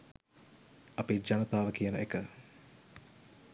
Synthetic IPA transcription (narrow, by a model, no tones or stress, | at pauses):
apid͡ʒɐnət̪aːʋəkijənəekə